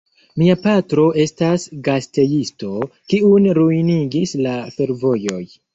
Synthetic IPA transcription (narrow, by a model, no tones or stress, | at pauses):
miapatɾo̞ʔe̞stasɡaste̞jisto̞kiunɾuiniɡislafe̞ɾvo̞jo̞j